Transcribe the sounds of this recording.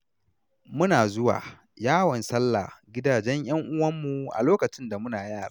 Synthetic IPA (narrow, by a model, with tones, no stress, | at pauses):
mʊ˦naː˨zʊ˦wa̰ː˨ | jaː˦wɔ˨nsɐ˦lːa̰˨ɡʲɪ˦daː˨d͡ʒɛ˦ɲj̰ɐ˦ŋʔʊ˦wɐ˦mːu˨ʔa̰˨loː˦kɐ˨t͡ʃɪ˦nda˨mʊ˦naː˨jaː˦˨ɾaː˦